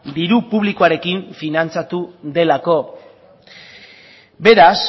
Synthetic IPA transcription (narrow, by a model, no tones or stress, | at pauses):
d̪iɾupuβlikoaɾe̞kiɱfinant͡sat̪uðe̞lako̞ | be̞ɾas